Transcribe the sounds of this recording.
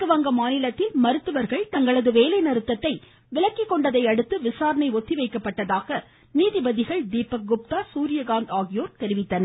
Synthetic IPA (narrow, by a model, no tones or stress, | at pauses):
kɯʋɐŋɡɐmaːnɪlɐt̪ːɪlmɐɾɯt̪ːɯʋɐɾɣɐɭt̪ɐŋɡɐɭɐðɯʋeːlɐɪnɐɾɯt̪ːɐt̪ːɐɪ | ʋɪɭɐkːɪkːɔɳɖɐðɐɪɐɽɯt̪ːɯʋɪsaːɾɐnɐɪɔt̪ːɪʋɐɪkːɐpːɐʈːɐðaːɣɐ | niːðɪbɐðɪɣɐɭd̪iːpːɐɡʊp̚t̪aːsuːɾɪjɐɡaːnd̪aːɣɪjoːɾt̪ɛɾɪʋɪt̪ːɐnɐ